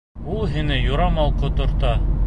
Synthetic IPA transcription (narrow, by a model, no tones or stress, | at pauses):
ulˠɦinɘjŏɾɑmɑlˠqot̪ŏɾt̪ɑ